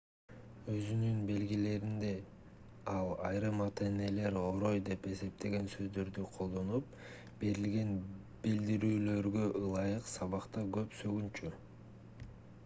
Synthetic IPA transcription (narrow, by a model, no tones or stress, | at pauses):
ø̞zynynbe̞lɡile̞ɾind̪e̞ | ɑlˠɑjɾɯmɑt̪e̞ne̞le̞ɾoɾo̞jd̪e̞pe̞se̞p̚t̪ʰe̞ɡe̞nsø̞zd̪ø̞ɾd̪yqʰo̞lˠd̪o̞nup̚ | b̥e̞ɾilɡe̞n | b̥ild̪iɾyːlø̞ɾɡø̞ʔɯlˠɑjɯqsɑβɑqt̪ɑɡø̞psøɡynt͡ʃy